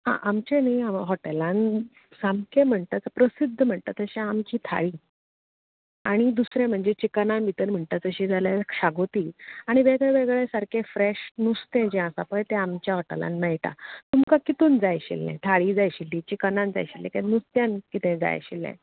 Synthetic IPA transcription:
ɦã̰ʔamt͡ɕẽnijaɦɔʈelan | samkʰẽm̤əɳt̪at͡səpɾəsid̪ʱːəm̤əɳt̪at̪əɕɛ̃amt͡ɕiːt̪ʰa̰ɭiː | aɽ̃id̪usɾẽm̤əɳd͡zet͡ɕiknanbit̪ənm̤əɳt̪at͡səɕid͡zʱaljakʂaɡot̪iːaɽ̃iʋeɡɭeʋeɡɭesaɾkʰefɾeɕnust̪ɛ̃d͡ʑɛ̃asapəɳt̪ɛ̃amt͡ɕjaɦɔʈḛla̰nmɛɭʈa̰t̪umkakit̪uːnd͡zajɕḭlːɛ̰̃t̪ʰaɭiːd͡zajɕilːit͡ɕikənãnd͡za̰jɕilːɛ̰̃kanust̪jankit̪ɛ̃d͡za̰j̰ɕḭlːɛ̰̃

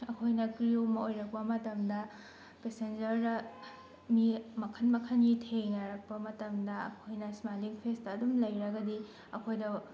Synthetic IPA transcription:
ɐkʰojnɐkɾiomɐojɾɐk̚pɐmɐtɐmdɐ | pesend͡ʒɐɾdɐ | mimɐkʰɐnmɐkʰɐnitʰejnɐɾɐk̚pɐmɐtɐmdɐɐ̰kʰojnɐsmaliŋpʰestɐːdumlɐjɾɐɡɐdi | ɐkʰojdɐ

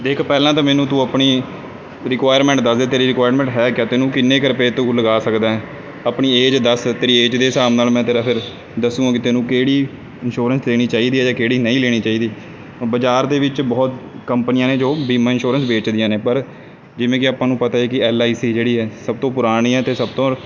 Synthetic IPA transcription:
d̪eːkʰpɛːlãːt̪ãːmɛ̃ːnũːt̪ũːəpɳiː | ɾɪkʋaːjəɾmɛ̃ːɳʈ̚d̪əsd̪eːt̪eːɾiːɾɪkʋaːjəɾmɛ̃ːɳʈɦɛːkjaːt̪eːnũːkɪnːeːkəɾpeːt̪uːləɡaːsəkd̪aːɛ̃ː | aːpɳiːeːd͡ʒd̪əst̪eːɾiːeːd͡ʒd̪eːsaːmnaːlmɛ̃ːt̪eːɾaːpʰɪɾ | d̪əsũːãːkɪt̪eːnũːkeːɽiː | ɪnʃoːɾənsleːɽ̃iːt͡ʃaːiːd̪iːɛːd͡ʒãːkeːɽiːnəĩːleːɽ̃iːt͡ʃaːiːd̪iː | bəd͡ʒaːɾd̪eːʋɪt͡ʃbɔːt̪kəmpənɪjãːneːd͡ʒoːbiːmãːɪnʃoːɾənsbeːt͡ʃd̪ɪjãːneːpəɾ | d͡ʒɪʋẽːkɪaːpãːnũːpət̪aːeːkɪɛːlaːiːsiːd͡ʒeːɽiːɛːsəb̚t̪õːpʊɾaːɽ̃iːɛːt̪eːsəb̚t̪õː

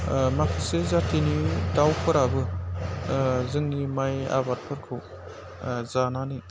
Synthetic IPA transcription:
makʰɯsɯzatinidawkʰɯɾabɯ | zɯŋnimaja̰bat̚pʰɯɾkʰɯw | zanani

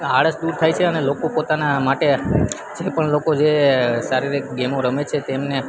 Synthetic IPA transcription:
aɽəsd̪uɾt̪ʰajt͡ʃʰeənelokopot̪anamaʈe | d͡ʒepəɳlokod͡ʒesaɾiɾeɡemoɾəmet͡ʃʰet̪emne

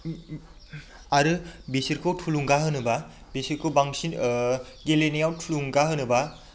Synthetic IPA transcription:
aɾɯbisiɾkʰɯwtʰuluŋɡaɦɯnɯbabesiɾkʰɯwbaŋsinɡelenijawtʰuluŋɡaɦɯnɯba

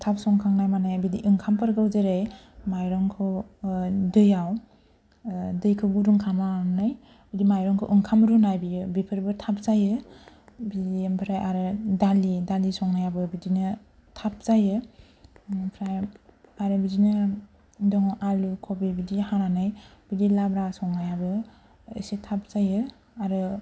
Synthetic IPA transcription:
tʰap̚sɔŋkʰaŋnajmanajabidḭʔɯŋkʰampʰɯɾɡɯwzɯɾejmajɾɔŋkʰɯ | dɯjaw | dɯjkʰɯɡuɾuŋkʰamamnaj | bidimajɾɔŋkʰɯ̰ʔɯŋkʰamɾunajbijɯbipʰɯɾbɯtʰap̚zajɯ | bidimpʰɾajaɾɯdalidalisɔŋnajabɯbidinɯ | tʰap̚zajɯ | pʰɾajaɾɯbidinɯ | dɔŋʔalukʰɔbibidihananɯjb̥idilabɾasɔŋnajabɯ | ɯsitʰap̚zajɯ | aɾɯ

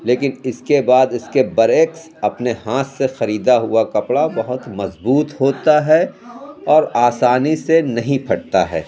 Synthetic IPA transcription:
leːkɪnɪskebaːd̪ɪskebɐɾeːks | ɐpneɦãːt̪ʰsexɐɾiːd̪aɦʊakɐpɽabɐɦʊt̪mɐzbuːt̪ɦoːt̪aɦɛ | ɔːɾaːsaːnisenɐɦĩpʰɐɽt̪a̰ɦɛ̰ː

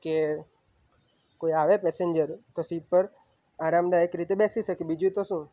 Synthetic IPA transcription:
ke | koiaʋepɛseɲd͡ʒəɾkəsiːd̪̚pəɾ | aːɾamd̪aekɾit̪ebesiʃəkibid͡ʒũt̪osũː

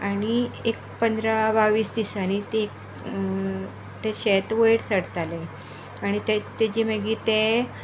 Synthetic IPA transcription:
aɽ̃iekpənd̪ɾabaʋiːsd̪isanit̪ek | t̪eɕet̪ʋeɽsəɽt̪ale | aɽ̃it̪et̪ed͡ʑiməɡiːt̪e

